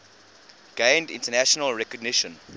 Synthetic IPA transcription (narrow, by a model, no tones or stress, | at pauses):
ɡ̥ẽɪndɪ̰̃ntənæʃɔnəlˠɹɛkɔɡ̚nɪʃə̃n